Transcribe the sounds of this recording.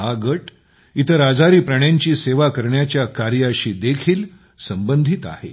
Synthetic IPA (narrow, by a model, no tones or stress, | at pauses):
aɡəʈ | it̪ʰəɾad͡zaɾiːpɾəɳjaɲt͡ɕiːseʋakəɾɳjat͡ɕjakaɾjəɕiːd̪ekʰiːl | səmbənd̪ʱit̪a̰hḛ